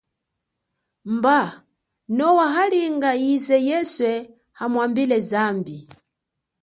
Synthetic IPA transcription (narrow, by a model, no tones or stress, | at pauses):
mba | nɔwaɦaliŋɡaizɛjɛswɛ | hamwambilɛzambi